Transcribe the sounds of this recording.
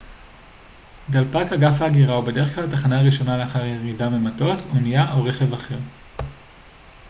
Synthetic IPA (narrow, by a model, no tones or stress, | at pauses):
dalpakaɡafaːɡiʁaubede̞ʁeχklalataχanaʁiʃo̞naleaχaʁjeʁidamemato̞sonijaʔoʁe̞χe̞vaχe̞ʁ